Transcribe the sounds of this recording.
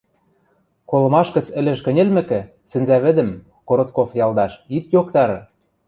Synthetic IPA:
kolɤ̆mɑʃkɤ̆t͡sɘ̆lɘ̆ʃ̬kɘ̆nʲĕlmɘ̆kɘ̆ | sɘ̆nzæβɘ̆d̪ɘ̆m | koɾot̪̚kofjɑlˠd̪ɑʃit̪jokt̪ɑɾɤ̆

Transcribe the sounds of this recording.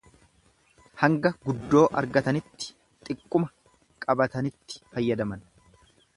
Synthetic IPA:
hɐŋɡɐɡʊd̪ːo̞ːʔɐɾɡɐt̪ɐnɪt̪ːɪ̥ | t̪ʼɪkʼːʊmɐ | kʼɐbɐt̪ɐnɪt̪ːɪ̥fɐjːɐd̪ɐmɐn

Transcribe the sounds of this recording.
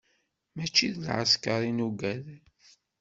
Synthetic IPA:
mæt͡ʃːiðlʕaskaɾinuɡæð

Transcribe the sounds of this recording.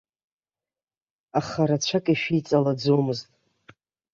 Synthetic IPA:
aχaɾat͡ɕʷʰakʼiʃᶣijt͡sʼalad͡zomɨztʼ

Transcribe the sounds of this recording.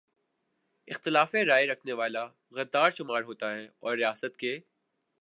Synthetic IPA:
ɪxt̪ɪlaːfeɾaːjɾɐkʰneʋaːla | ɣɐd̪ːaːɾʃʊmaːɾɦoːt̪aɦɛɔːɾːijaːsət̪ke

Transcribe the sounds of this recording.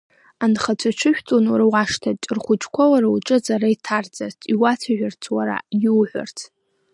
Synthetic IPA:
anχat͡sʷʰat͡ʃʷʰɨʃᶣtʼonurwaʂtʰarχʷʊt͡ʃʰʼkʷʰawaɾauʈ͡ʂʼɨd͡zʼaɾaitʰard͡zart͡sʰiwat͡sʷʰaʒᶣart͡sʰwaɾa̰jiwħʷa̰rt͡sʰ

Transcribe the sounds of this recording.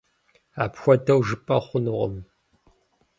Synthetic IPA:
aːpxʷɔdɐwʒɨpʼɐχʷʊnʊʁə̰m

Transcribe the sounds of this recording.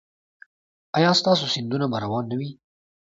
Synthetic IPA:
ɑjɑst̪ɑs̬osɪnd̪unabaɾawɑnːawi

